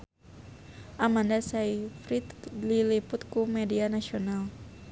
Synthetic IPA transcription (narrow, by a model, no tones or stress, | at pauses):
ʔamandasaifɾit̪liliput̪kumɛdianasional